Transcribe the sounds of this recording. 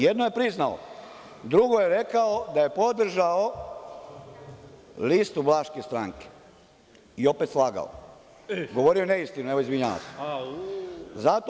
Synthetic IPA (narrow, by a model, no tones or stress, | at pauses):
jed̪noje̞pɾiznao̰ | d̪ɾuɡo̞jeɾekaod̪aje̞po̞d̪r̩ʒao | list̪ublaʃkest̪ɾaːŋke̥ | io̞pet̪slˠaːɡa̰o̰ | ɡo̞ʋo̞ɾio̞neist̪inueʋoizʋiɲaʋa̰s | zat̪o